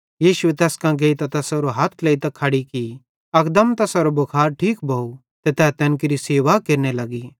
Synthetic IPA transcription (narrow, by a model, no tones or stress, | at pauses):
jiːʃuet̪ɛːskãɡeːit̪ɐt̪ɛsɐɾoɦat̪ʰleːit̪ɐkʰɐɽiki | ɐkd̪ɐmt̪ɐsɐɾobɐkʰaːɾʈʰiːkbʱɐu | t̪et̪ɛːt̪ɛnk̬ɪɾiseːʋakeɾnelɐɡi